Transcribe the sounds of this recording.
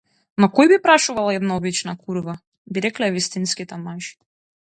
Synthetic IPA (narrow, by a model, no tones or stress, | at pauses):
nɔkɔjbipɾaʃuvalˠaɛd̪naɔbit͡ʃnakʰuɾva | biɾɛklɛvist̪inskit̪ɛmaʒi̥